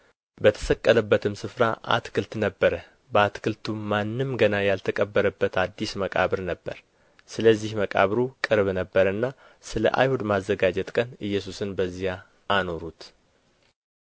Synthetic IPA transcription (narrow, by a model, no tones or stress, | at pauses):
bət̪ʰə̥səkʼːələbːət̪ʰɨmsɨfɾa̰ʔa̰t̪kʰɨlt̪nəbːəɾə | bəat̪kʰɨlt̪ʰuːanːɨmɡənajalt̪ʰəkʼəbːəɾəbːət̪ʰad̪ːisməkʼa̰βɨɾnəbːə̰ɾ | sɨləzːihməkʼa̰βɾukʼɨɾβnəbːəɾənːa | sɨlə̰ʔa̰jhud̪mazːəɡad͡ʒɛt̪kʼənɨjːɛs̬usɨnbəzːijaː | no̞ɾut̪